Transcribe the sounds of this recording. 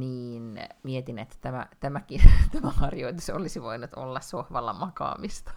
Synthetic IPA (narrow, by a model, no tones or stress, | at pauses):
niːnmiet̪inet̪ːæ̥t̪æmæ̰t̪æmækit̪æmæhɑrjoit̪uso̰lisiʋoinut̪o̰lːɑssohʋɑlːɑ̰mɑkɑ̰ːmist̪ɑ̥